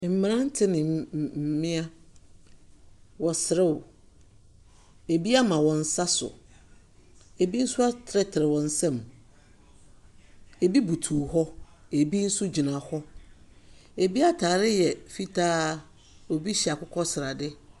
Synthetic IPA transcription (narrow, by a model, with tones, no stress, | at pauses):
m̩˨mɪ̃˨ɾã˦n̩˦tʰɪ˦nɪ̃˨mɪ̃˦a˦ | wɔ˨sɪ˨ɾɪ˦wʊ˨ | e˨bi˦a˦mã˨wɔ̃˨n̩˦sa˦sʊ̰˨ | e˨bi˦n̩˦sʊ˦a˦tʰɾɛ˦tʰɪ˨ɾɪ˨wɔ̃˨n̩˦sɛ̃˦˨m | e˨bi˦bu˨tʰuː˨hɔ˦e˨bi˦n̩˦sʊ˦d͡ʑi˨nã˨hɔ˦ | e˨bi˦a˦tʰaː˨ɾɪ˦jɛ˨fi˦tʰaː˦ | ɔ˨bi˦ɕi˨a˨kʰʊ˦kʰɔ˦sɪ˨ɾa˨dɪ˦